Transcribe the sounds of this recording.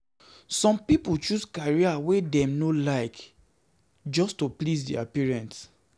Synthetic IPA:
sɔ̃mpiput͡ʃuskaɹiawedɛ̃mnolaɪk | d͡ʒɔstoplisdḭa̰piɹɛ̃nt

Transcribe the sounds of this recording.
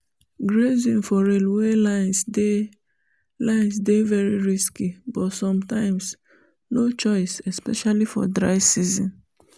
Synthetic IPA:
ɡɾezĩnfɔɾelwelaɪnsde | lãɪns̬devɛɾiɹiskibɔtsɔ̃mtãɪ̃ms | not͡ʃɔɪsɛspɛʃalifɔ̰dɾa̰ɪsizḭ̃n

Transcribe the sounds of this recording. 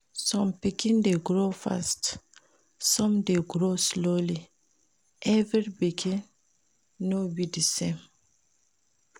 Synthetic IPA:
sɔ̃mpikĩndeɡɹofa̰st | sɔ̃mdeɡɾosloli | ʔɛvɛɹibikʰĩnː | obidisẽm

